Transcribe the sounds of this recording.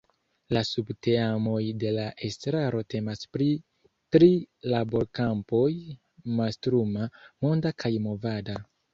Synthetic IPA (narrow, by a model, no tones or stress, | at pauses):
lasubte̞amo̞jde̞laʔe̞stɾaɾo̞te̞maspɾi | tɾilabo̞ɾkampo̞j | mastɾumamo̞ndakʰajmo̞vada